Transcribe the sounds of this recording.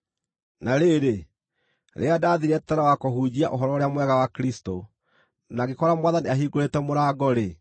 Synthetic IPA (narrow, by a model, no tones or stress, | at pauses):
naɾeɾe | ɾʔḛadaːðiɾɛtɛɾawakoɦuːd͡ʑiaʔoɦɔɾɔoɾejamwɛɣawakɾisto | naɣekɔɾamwaðaniaɦiːɡoɾetɛmoɾaːɡɔɾe